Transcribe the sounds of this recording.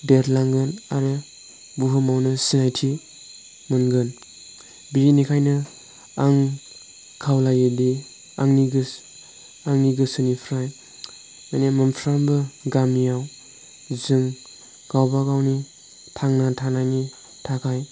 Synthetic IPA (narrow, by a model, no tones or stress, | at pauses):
deɾlaŋɡɯnaɾɯ | buɦɯmawnɯsinajtʰi | mɯnɡɯn | biinikʰajnɯ | aŋ | kʰawlajɯdi | aŋniɡɯs | aŋniɡɯsɯnipʰɾaj | manemɯnpʰɾambɯɡamijaw | zɯŋ | ɡ̥awbaɡawni | tʰaŋnatʰanajni | tʰakʰaj